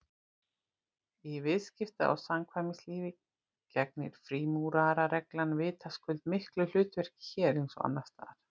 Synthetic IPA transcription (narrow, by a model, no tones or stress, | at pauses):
ivɪðscɪft̪aa̰wsamkʰvajmɪsliːvɪ | cɛk̚nɪ̰ɾ̥fɾiːmuːɾaɾaɾɛklanvɪːt̪askʏlt̪mɪhklʏl̥ʏːt̪vɛr̥cɪ̥çɛːɾensɔ̰a̰nːast̪a̰ːɾ̥